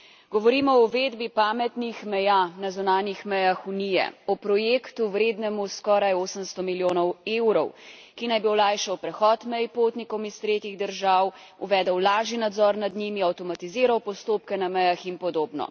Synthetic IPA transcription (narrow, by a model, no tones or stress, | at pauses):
ɡɔʋɔɾiːmɔɔʋeːd̪bipaːmɛt̪nixmɛjanazunaːnixmɛjaxunijɛ̰ɔpɾɔjeːkt̪uwɾeːd̪nɛmuskɔːɾajoːsəmst̪ɔmiljoːnɔweːwɾɔw | kinajbiɔlajʃɛwpɾɛxɔːt̪mɛjpoːt̪nikɔwmist̪ɾeːt̪iɣd̪əɾʒaːw | uʋɛːd̪əwlaːʒinad̪zɔɾnad̪nimiawt̪ɔmat̪iziːɾawpɔst̪oːpkɛnamɛjaxinpɔd̪oːbnɔ̰